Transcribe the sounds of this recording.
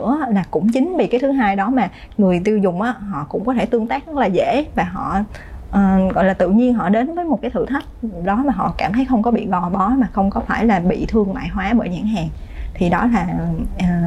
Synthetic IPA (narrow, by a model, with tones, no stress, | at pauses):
ɨ̰˧˥əlaː˨˩kʊ̰˧˥ŋ͡mt͡ɕï˨˦ŋ̟ɓḭ˧˨kaː˨˦t̪ʰɨ˨˦ɦaː˧jɗɔ˨˦maː˨˩ | ŋɨ˨˩əjt̪i˧wzʊ˨˩ŋ͡mʔaː˨˦ɦɔ̰˧˨kʊ̰˧˥ŋ͡mkɔ˨˦t̪ʰe˧˩jt̪ɨ˧əŋt̪aː˦˥k̚zə˦˥t̚laː˨˩zḛ˧˥vaː˨˩ɦɔ̰˧˨ʔəː˨˩ɣɔ̰˧˨jlaː˨˩t̪ɨ̰˧˨ɲi˧ənɦɔ̰˧˨ɗe˨˦nvəː˨˦jmo˨˩t̚kaː˨˦t̪ʰɨ̰˧˩t̪ʰa˦˥jk̚ɗɔ˨˦maː˨˩ɦɔ̰˧˨kaː˧˩mt̪ʰə˨˦jxə˧wŋ͡mkɔ˨˦ɓḭ˧˨ɣɔ˧˨˩ɓɔ˨˦maː˨˩xə˧wŋ͡mkɔ˨˦faː˧˩jlaː˨˩ɓḭ˧˨t̪ʰɨ˧əŋma̰ː˧˨jɦwaː˨˦ɓə̰ː˧˩jɲa̰ː˧˩ŋɦaː˨˩ŋ | t̪ʰi˨˩ɗɔ˨˦laː˨˩ʔː